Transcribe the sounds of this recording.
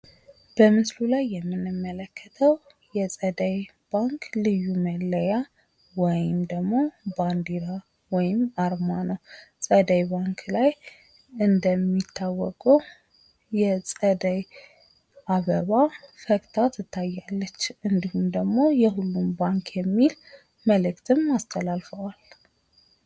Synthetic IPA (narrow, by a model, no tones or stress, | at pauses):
b̥əmɨslulajːɛmːɨnɨmːələkʰːət̪ʰəw | jɛsʼəd̪əj | b̥aŋklɨjːumələja | wɔjɪmd̪əɡmo̞band̪iɾa | wɔjɪmaɾmanəwsʼəd̪əjbaŋkʰlaj | ɨnd̪əmːit̪ʰːawːɔkʼəw | jɛsʼəd̪əj | ʔaβəβafəkʼt̪ʰat̪ʰɨt̪ʰːajːalːət͡ʃːɨnd̪ihumd̪əɡmo̞jɛɦulːumbaŋkʰjɛmːil | məlɨkt̪ʰɨmast̪ʰəlalfəwal